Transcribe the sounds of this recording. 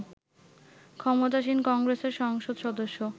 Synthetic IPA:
kʰɔmot̪̬aʃ̬inkɔŋɡɾeseɾʃɔŋʃod̪ʃɔd̪oʃːo

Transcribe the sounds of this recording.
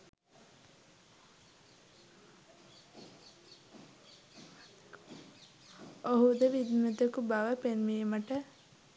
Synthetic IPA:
oɦud̪əʋid̪mut̪əkubɐʋəpenʋiːməʈə

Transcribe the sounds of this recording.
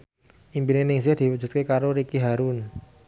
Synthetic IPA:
ʔimbinenɪŋs̬ɪhd̪̥iwu̥d͡ʒṳt̪̚kekaɾoɾikiɦaɾun

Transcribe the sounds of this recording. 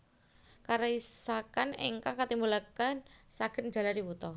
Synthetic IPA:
kaɾaisakanḛŋkaŋkat̪imbulakansaɡ̥ənd͡ʒ̥a̤laɾiwut̪ɔ

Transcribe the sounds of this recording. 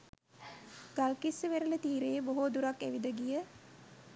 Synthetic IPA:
ɡ̥alkisːəʋeɾələt̪iːɾeəboɦod̪uɾakːæʋid̪əɡijə

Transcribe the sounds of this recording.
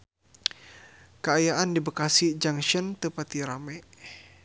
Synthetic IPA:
kəajaʔandibəkasid͡ʒaŋʃənt̪əpat̪iɾamɛ

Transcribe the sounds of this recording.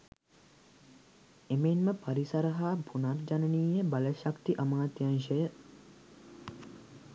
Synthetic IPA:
emenməpaɾisɐɾəɦaːbʱunard͡ʒanəniːjebaləʃakt̪iʔəmaːt̪janʃəjə

